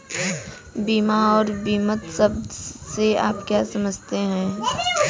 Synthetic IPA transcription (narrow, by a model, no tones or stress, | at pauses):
biːmaɔːɾbiːmət̪səbd̪sea̰ːpkjaːsɐməd͡ʒʱt̪eɦɛ̃ː